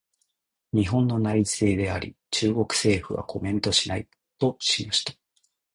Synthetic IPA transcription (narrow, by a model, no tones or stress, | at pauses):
ɲ̟iɦõ̞nːo̞nait͡sɨeːd̪e̞aɾʲḭ | t͡ɕɨːɡo̞kɯ̟̥se̞ːɸɯ̟βa̰kʰo̞mẽ̞nt̪o̞ɕinai | t̪o̞ɕimaɕi̥t̪ḁ